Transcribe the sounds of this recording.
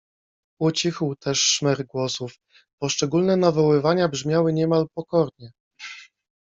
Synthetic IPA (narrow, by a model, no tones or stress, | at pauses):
ɔt͡ɕixwt̪ʰɛʂːmɛɾɡwɔsuf | pɔʂt͡ʂɛɡulnɛnavɔwɘvaɲabʐmʲjawɘɲɛmalpɔkɔɾɲɛ